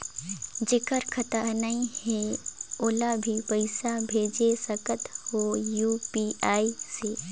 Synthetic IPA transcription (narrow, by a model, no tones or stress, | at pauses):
d͡ʒɪkəɾkʰət̪ənɐĩhɛoːlabʱipəɪsabʱeːd͡ʒesəkət̪hojuːpiaːiseː